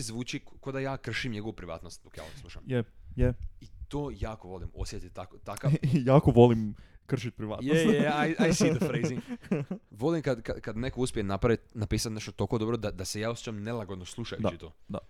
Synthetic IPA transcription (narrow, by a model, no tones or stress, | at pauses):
zʋuːt͡ʃikkod̪ajaːkr̩ʃimɲe̞ɡoʋupɾiʋa̰ːt̪nost̪̚d̪okja̰oslˠuʃa̰mjejeit̪oːjaːkoʋo̞lˠimo̞sjet̪it̪t̪akot̪akajaːkoʋolimkr̩ʃit̪̚pɾiʋa̰ːt̪jejeajajsid̪əfɾejzi | ʋo̞lˠimkad̪ka̰kad̪nekouspʲjenapɾaʋit̪napiːsat̪ne̞ʃt̪ot̪okod̪o̞bɾo̞d̪ad̪ase̞jaːosjet͡ʃamnelˠaɡo̞d̪noslˠuʃajut͡ʃit̪oːd̪a